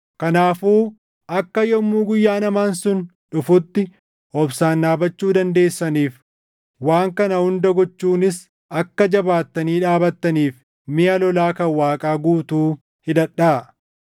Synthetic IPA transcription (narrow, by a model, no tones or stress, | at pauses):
kɐnaːfuː | ʔɐkːɐjɔmːuːɡʊjːaːnɐmaːnsʊn | ᶑʊfʊt̪ːɪ | ɔbsaːnːaːbɐt͡ʃːuːd̪ɐnd̪e̞ːsːɐniːf | waːŋkɐnɐhʊnd̪ɐɡɔt͡ʃːuːnɪs | ɐkːɐd͡ʒɐbaːt̪ːɐniːᶑaːbɐt̪ːɐniːf | mɪjɐlɔlaːkɐwaːkʼaːɡuːt̪uː | hɪd̪ɐᶑːaː